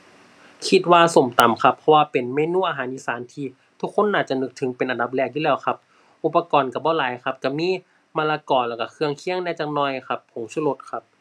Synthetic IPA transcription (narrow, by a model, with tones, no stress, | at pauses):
kʰi˧˩t̪̚waː˧so˨˩˦mt̪a˨˩mkʰa˧˥pʰːɔ˧waː˧pe˨nmeː˧˨nuː˧˥˩ʔaː˧ɦaː˩˦nʔiː˧saː˩˦nt̪ʰiː˧˨ | t̪ʰu˧˥kʰːo˧˥˨nːaː˧˩t͡ɕa˧˩nɯ˧˥k̚t̪ʰɯ˩˦ŋpe˨nʔa˨nda˨˧˦p̬̚lɛː˧˩k̚juː˧lɛː˧˩wxʰa˧p̚ | ʔu˧˩pːa˧kɔː˨nka˧˩bɔː˧˩laː˨˦jkʰa˧˥p̚ka˧˩miː˧˥˨ | maː˧laː˧kɔː˨˩lɛː˧˩ka˧˩kʰɯ˧əŋkʰi˧˥əŋnɛː˧˩t͡ɕa˧˩ŋnɔː˧˩jkʰa˧˥pʰːo˨˩˦mt͡ɕʰːlo˧˥t̪̚kʰa˧p̚